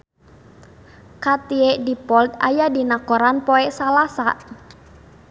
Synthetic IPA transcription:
kat̪iɛʔdipɔlt̪̚ajadinakɔɾanpɔɛsalasa

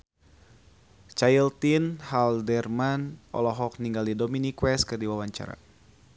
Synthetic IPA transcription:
t͡ʃailt̪inhaldɛrmanɔ̰lɔɦɔk̚niŋɡaldidɔminikwɛskɨrdiwawaɲt͡ʃa̰ɾa̰

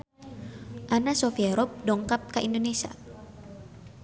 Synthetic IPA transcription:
ʔanasɔfiaɾɔp̚dɔŋkap̚kaʔindonesia̰

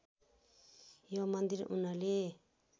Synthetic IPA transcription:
jɔmand̪iɾʔunale

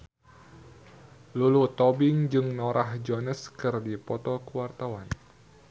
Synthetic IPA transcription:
lulut̪ɔbɪŋd͡ʒɨŋnoɾahd͡ʒɔnəskɨrdipɔt̪ɔkuwart̪awan

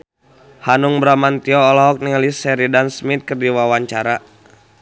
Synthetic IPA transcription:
hanuŋbɾamant̪iɔːlɔɦɔk̚niŋalisɛɾidansmit̪̚kərdiwawaɲt͡ʃaɾa

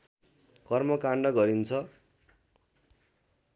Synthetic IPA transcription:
kʌrmʌkaɳɖʌɡʌɾint͡sʰʌ

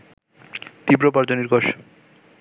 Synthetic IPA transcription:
t̪ipɾopaɾd͡ʑoniɾɡoʃ

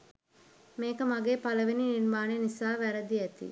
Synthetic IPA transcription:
meːkəmaɡeːpaləʋenininmaːnenisaːʋæɾəd̪iæt̪ḭ

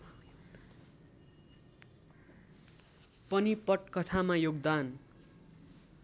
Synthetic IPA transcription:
pʌnipʌʈkʌt̪ʰamajoɡd̪an

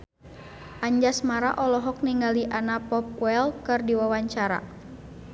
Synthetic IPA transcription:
ʔaɲd͡ʒasmaɾa̰ʔɔlɔɦɔk̚niŋɡaliʔanapɔp̚wɛlkɨrdiwawaɲt͡ʃaɾa̰

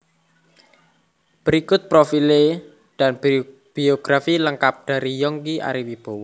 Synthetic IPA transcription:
b̥əɾikʊt̪̚pɾofile | ɖ̥anb | b̥ioɡ̥ɾafiləŋkap̚ɖ̥a̤ɾijɔŋkia̰ɾiwib̥o̤wɔ

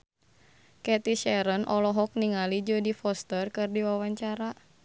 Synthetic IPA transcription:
kɛt̪iʃɛɾənʔɔlɔɦɔk̚niŋalid͡ʒodifɔst̪ərkɨrdiwawaɲt͡ʃaɾa

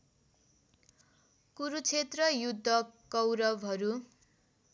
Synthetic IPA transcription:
kuɾut͡sʰet̪rʌjud̪ʱːʌkʌwɾʌbɦʌɾu

